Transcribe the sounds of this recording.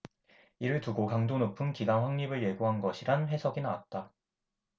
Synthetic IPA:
iɾɯɭtuɡokaŋdonopʰɯnkiɡanɸwaŋɲibɯɭje̞ɡuɦanɡʌɕʰiɾanɸwe̞sʰʌɡinawat̚t͈a

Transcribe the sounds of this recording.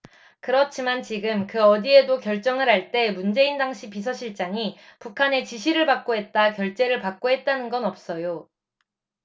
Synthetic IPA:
kɯɾʌt͡ɕʰimant͡ɕiɡɯmkɯʌdie̞dokjʌɭt͡ɕ͈ʌŋɯɾɦaɭt͈e̞mund͡ʑe̞indaŋɕʰipisʰʌɕʰiɭt͡ɕ͈aŋipukʰane̞t͡ɕiɕʰiɾɯɭpak̚k͈oɦe̞t̚t͈akjʌɭt͡ɕ͈e̞ɾɯɭpak̚k͈oɦe̞t̚t͈anɯnɡʌnʌp̚s͈ʌjo

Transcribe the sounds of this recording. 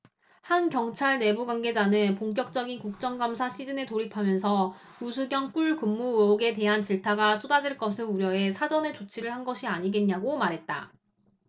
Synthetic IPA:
hankjʌŋt͡ɕʰaɭne̞buɡwaŋɡe̞d͡ʑanɯnpoŋk̬͈jʌk̚t͡ɕ͈ʌɡinkuk̚t͡ɕ͈ʌŋɡamsʰaɕʰid͡ʑɯne̞toɾipʰamjʌnsʰʌ | usʰuɡjʌŋk͈uɭkɯmːooɡe̞te̞ɦant͡ɕiɭtʰaɡasʰodad͡ʑiɭk͈ʌsʰɯɭuɾjʌe̞sʰad͡ʑʌnet͡ɕot͡ɕʰiɾɯɭhanɡʌɕʰiaɲiɡe̞nɲːaɡomaɾɦe̞t̚t͈a̰

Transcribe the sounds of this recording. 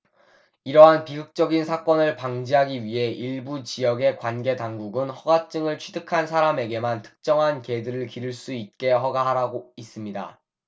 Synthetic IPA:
iɾʌɦanpiɡɯk̚t͡ɕ͈ʌɡinsʰak͈ʌnɯɭpaŋd͡ʑiɦaɡiɥiɦe̞iɭbut͡ɕijʌɡe̞kwanɡe̞taŋɡuɡɯnhʌɡat͡ɕ͈ɯŋɯɭt͡ɕʰɥidɯkʰansʰaɾame̞ɡe̞mantʰɯ̥k̚t͡ɕ͈ʌŋɦanke̞dɯɾɯɭkiɾɯɭs͈uit̚k͈e̞ɦʌɡaɦaɾaɡois͈ɯmɲida̰

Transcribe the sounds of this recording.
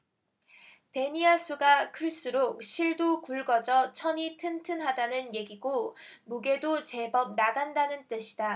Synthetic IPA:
pe̞ɲiasʰuɡakʰɯɭs͈uɾok̚ɕʰiɭdokuɭɡʌd͡ʑʌt͡ɕʰʌɲitʰɯntʰɯnɦadanɯnje̞ɡiɡomuɡe̞dot͡ɕe̞bʌp̚naɡandanɯnt͈ɯɕʰi̥da

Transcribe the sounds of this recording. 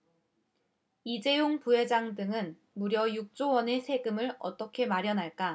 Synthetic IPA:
id͡ʑe̞joŋpuɦe̞d͡ʑaŋdɯŋɯn | muɾjʌjuk̚t͡ɕ͈owʌne̞sʰe̞ɡɯmɯɭʌ̰t͈ʌkʰe̞maɾjʌnɦaɭk͈a

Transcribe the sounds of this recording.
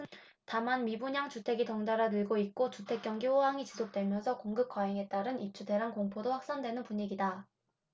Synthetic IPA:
tamanmibuɲaŋt͡ɕutʰe̞ɡitʌŋdaɾanɯɭɡoit̚k͈ot͡ɕutʰe̞k͈jʌŋɡiɸoɦaŋit͡ɕisʰok̚t͈we̞mjʌnsʰʌkoŋɡɯp̚k͈waɦeŋe̞t̚t͈aɾɯnip̚t͡ɕ͈ʰude̞ɾankoŋpʰodoɸwak̚s͈andwe̞nɯnpuɲiɡida

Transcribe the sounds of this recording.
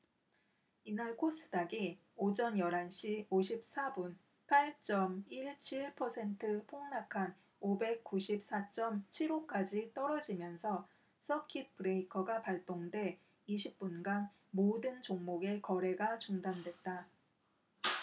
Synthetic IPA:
inaɭkʰos͈ɯ̥daɡi | od͡ʑʌnjʌɾanɕʰioɕʰip̚s͈abun | pʰaɭt͡ɕ͈ʌmiɭt͡ɕʰiɭpʰʌsʰe̞ntʰɯpʰoŋnakʰan | obe̞k̚k͈uɕʰip̚s͈at͡ɕ͈ʌmt͡ɕʰiɾok͈ad͡ʑit͈ʌɾʌd͡ʑimjʌnsʰʌ | sʰʌkʰit̚pʰɯɾe̞ikʰʌɡapaɭt͈oŋdwe̞ | iɕ̬ʰip̚p͈unɡan | modɯnt͡ɕoŋmoɡe̞kʌɾe̞ɡat͡ɕuŋdandwe̞t̚t͈a

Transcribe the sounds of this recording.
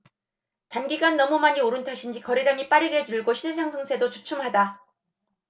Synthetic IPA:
tanɡiɡanːʌmumaɲioɾɯntʰaɕʰind͡ʑikʌɾiɾʌɲip͈aɾɯɡe̞d͡ʑuɭɡoɕʰiɭs̬ʰaŋsʰɯŋsʰe̞dot͡ɕut͡ɕʰumɦada

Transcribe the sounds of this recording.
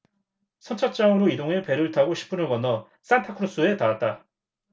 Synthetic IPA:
sʰʌnt͡ɕʰʌt͡ɕ͈aŋɯɾoidoŋɯpe̞ɾɯɭtʰaɡoɕʰi̥p͈ʰɯnɯɭɡʌnʌ | s͈antʰakʰɯɾos͈ue̞taat̚t͈a

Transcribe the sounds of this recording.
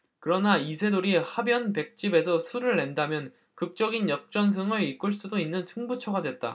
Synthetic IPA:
kɯɾʌnaisʰe̞doɾihabjʌnpe̞k̚t͡ɕ͈ibe̞sʰʌsʰuɾɯɭːe̞ndamjʌn | kɯk̚t͡ɕ͈ʌɡinjʌk̚t͡ɕ͈ʌns̬ʰɯŋɯɭik͈ɯɭs͈udoinːɯnsʰɯŋbut͡ɕʰʌɡadwe̞t̚t͈a̰

